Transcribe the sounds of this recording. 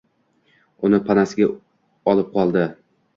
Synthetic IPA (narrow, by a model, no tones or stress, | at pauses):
ʊnɪpʰanasɪɡʲa | ɒlˠɪp̚qʰɒlˠd̪ɪ